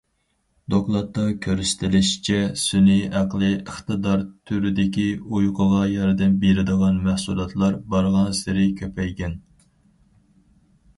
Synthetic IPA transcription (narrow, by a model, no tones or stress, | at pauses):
d̪oklˠɑt̪ːɑkʲʰøɾyst̪ʰɪlɪʃi̥t͡ʃʰɛsyniæqlˠɨəχt̪ɨd̪ɑɾt̪ʰyɾyd̪ɪkʲiujqʰəʁɑjɑɾd̪ɛmbeɾɪd̪əʁɑnmæhsulˠɑt̪ʰlˠɑɾbɑɾʁɑnsɪɾɪkʲʰøpʰɛjɡʲɛn